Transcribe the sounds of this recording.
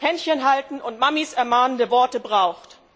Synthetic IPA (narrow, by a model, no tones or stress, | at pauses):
hɛnçənɦaltn̩ʊntmamisɛɐmaːnəndəvɔɐtəbʁaʊxt